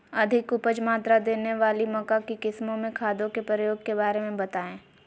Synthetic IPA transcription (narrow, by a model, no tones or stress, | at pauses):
ɐd̪ʱɪkʊpəd͡ʒmaːt̪ɾad̪eːneʋaːlimɐkakikɪsmõmẽkʰaːd̪õkepɾəjoːɡ̚kebaːɾemẽbɐt̪aːẽː